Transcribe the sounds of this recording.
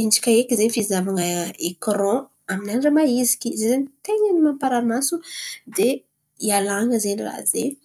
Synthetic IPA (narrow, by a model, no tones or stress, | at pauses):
inɖ͡ʐi̥kʲaekʲizefizavaŋəekrɔ̃ | aminanɖ͡ʐəmaizi̥kʲizzenit̪eɲənimampaɾamasud̪e | ialaŋəzenira̰ze